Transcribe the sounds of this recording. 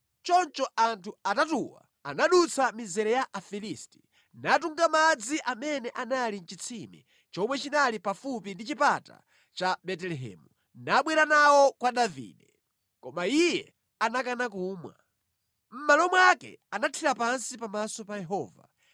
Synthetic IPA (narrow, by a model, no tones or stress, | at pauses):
t͡ʃɔnt͡ʃɔʔantʰuatatuwa̰ | anaɗut͡sʰamizɛɾɛjaʔafilisti̥ | nat̬uŋɡamad͡ziʔamɛnɛʔanalin̩t͡ʃit͡sʰimɛ̰ | t͡ʃɔmwɛt͡ʃinalipafupindit͡ʃipata̰ | t͡ʃaɓɛtɛlɛɦɛ̰ːmu | naɓwɛɾanawɔkwaɗavḭːɗɛ | kɔmaijɛ | anakanak̬uːmwa̰ | m̩malɔmwakɛ̰anatʰiɾapansipamasɔpajɛɦɔ̰ːva̰